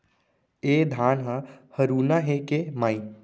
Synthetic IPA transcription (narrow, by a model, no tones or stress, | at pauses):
ed̪ʱaːnɦəhəɾuːnaɦekemaːi